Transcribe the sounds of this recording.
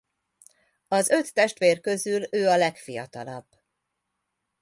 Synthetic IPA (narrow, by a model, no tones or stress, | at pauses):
ɒzø̞t̪ːɛʃt̪ʋeːrkø̞zyløːɒlɛkfijɒ̰t̪ɒlɒ̰bː